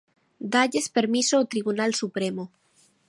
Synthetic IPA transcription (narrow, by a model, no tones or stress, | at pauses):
d̪aʎespeɾmisoot̪ɾiβunalsupɾemo